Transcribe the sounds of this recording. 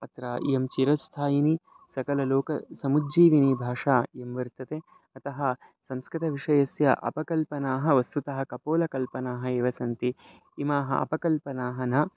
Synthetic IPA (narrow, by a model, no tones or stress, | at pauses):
ɐt̪ɾaːʔḭjɐmt͡ʃiɾɐst̪ʰaːjini | sɐkɐlɐloːkɐsɐmudd͡ʒiːʋinibʱaːʂaːemʋɐɾt̪ɐt̪eː | ɐt̪ɐɦɐ̆ | sɐmskɾɪt̪ʰɐʋiʂɐjɐsjɐ̰ʔɐ̰pɐkɐlpɐnaːɦɐʋɐst̪ut̪ɐɦɐkɐpoːlɐkɐlpɐnaːɦɐ̆eːʋɐsɐnt̪iː | maːɦɐ̰ʔɐ̰pɐkɐlpɐnaːɦɐnɐ